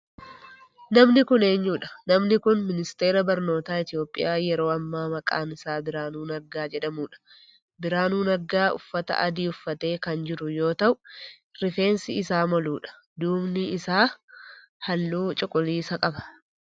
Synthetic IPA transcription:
nɐmnɪkʊne̞ːɲːuːᶑɐ̥nɐmnɪkʊnmɪnɪst̪e̞ːɾɐbɐɾno̞ːt̪aːɪt̪ɪjo̞ːpʼːɪ̰jaːjɛɾo̞ːɐmːaːmɐkʼa̰ːnɪsaːbɪɾaːnuːnɐɡːaːd͡ʒɛᶑɐmuːᶑɐ̥ | bɪɾaːnuːnɐɡːaːʊ̰fːɐt̪ɐ̰ʔɐ̰d̪iːʊfːɐt̪e̞ːkɐnd͡ʒɪɾʊjo̞ːt̪ɐʔʊ | ɾɪfe̞ːnsɪɪsaːmɔluːᶑɐ̥ | d̪uːbnɪɪsaː | hɐlːuːt͡ʃʼɪkʼʊliːsɐkʼɐbɐ̥

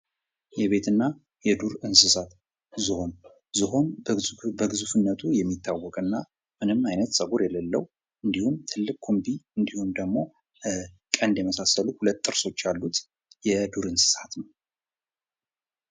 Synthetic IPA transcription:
jɛβe̞t̪ʰɨnːa | jɛd̪uɾɨnsɨsat̪ | zɨho̞n | zɨɦo̞nbəɡɨzufɨnːət̪ʰujɛmːit̪ːawːɔkʼɨnːa | mɨnɨmajnət̪sʼəɡuɾjɛləlːə̰wu | ʔɨnd̪ihumt̪ʰɨlːɨkʼːkʰːombiɨnd̪ihumd̪əɡmo̞ | kʼənd̪jɛməsasːəluhulət̪ʼːɨɾso̞t͡ʃːjalːut̪ | jɛd̪uɾɨnsɨ̥sat̪nəw

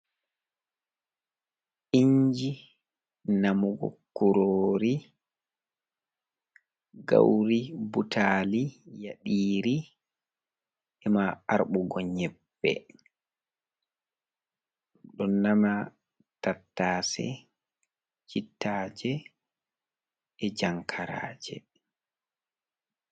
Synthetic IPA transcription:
ʔiɲd͡ʒi | namuɡɔ̰kuɾoɾi | ɡa̰wɾibutaːlijaɗiːɾi | ɛmaaɾɓuɡɔɲɛbːɛ̰ | ɗɔnːama | tatːaːsɛ̰ | t͡ʃitːaːd͡ʒɛ | ɛd͡ʒaŋkʰaɾa̰ːd͡ʒɛ

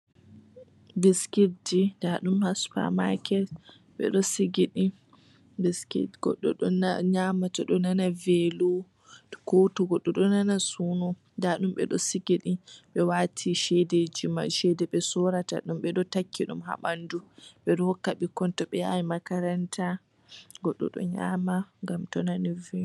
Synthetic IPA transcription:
biskididaɗumhaspa̰makɛ | ɓɛ̰ɗɔsiɡiɗi | biskḭdɡ̥ɔ̰ɗːɔ̰ɗɔnaɲamatɔɗɔnanavelu | kotɔɡɔɗːɔɗɔnanasunɔ | ndaɗumɓɛ̰ɗɔ̰siɡiɗiɓɛwatʰiʃɛdɛd͡ʒima̰ʃɛdɛɓɛsɔɾata̰ɗumɓɛɗɔtakːiɗṵmha̰ɓanduɓɛɗɔhɔkːaɓikɔntɔɓɛja̰jimakaɾantʰa | ɡɔɗːɔ̰ɗɔ̰ɲa̰maŋɡamtɔnanivɛ

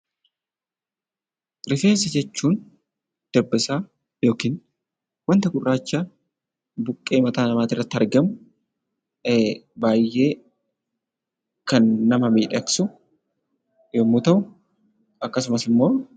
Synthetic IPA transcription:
ɾɪfe̞ːsɐd͡ʒɛt͡ʃːuːn | d̪̥ɛbːɪsaː | jo̞ːkiːn | wɐnt̪ɐkʊrːaːt͡ʃːɐ | bʊkʼːe̞ːmɐt̪aːnɐmaːt̪ɪrːɐt̪ːɪɐɾɡɐmʊ | baːjːe̞ː | kɐnːɐmɐmiːᶑɛɐksʊ | jomːuːt̪ɐʔʊ | ɐkːɐsʊmɐsɪmːo̞ː

